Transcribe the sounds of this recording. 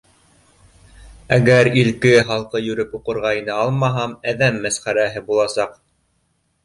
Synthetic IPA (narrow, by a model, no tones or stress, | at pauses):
æɡæɾilkɘχɑlˠqɤjɵ̆ɾɘpuqɤ̆ɾʁɑjnɤɑlˠmɑɦɑmæðæmːæsχæɾæɦɘbulˠɑsɑq